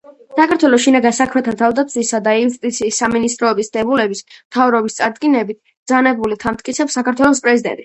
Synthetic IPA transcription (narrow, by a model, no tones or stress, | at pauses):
sakʰaɾt̪ʰwɛlˠɔʃinaɡansakʰmɛt̪ʰat̪ʰavd̪at̪sʰisad̪aiust̪ʼit̪sʰiːsːaminist̪ʼɾɔɛbisd̪̥ɛbulɛbismt̪ʰavɾɔbist̪sʼaɾd̪ɡinɛbit̪̚ʰ | d̪zanɛbulit̪ʰamt̪̚ʼkʼit̪sʰɛpsːakaɾt̪ʰwɛlˠɔspʼɾɛzid̪ɛ̰nt̪ʼi